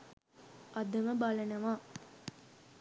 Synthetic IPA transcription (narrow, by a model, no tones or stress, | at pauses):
ʔɐd̪ɐməbɐlɐnɐʋaː